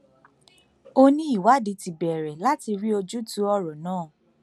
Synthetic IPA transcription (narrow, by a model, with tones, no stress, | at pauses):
o˦nĩ˦i˦˨wa˨˦di˨˧˦ti˨bɛ˨ɾɛ˨la˦ti˧ɾi˦o˧d͡ʒu˦tu˨˦ɔ˧ɾɔ˨nãː˦˨